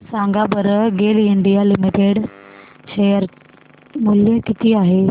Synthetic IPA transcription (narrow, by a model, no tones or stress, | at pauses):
sãŋɡabəɾəɡeliɳɖijalimiʈeɽ | ɕejəɾ | muljəkit̪ʰiːaɦe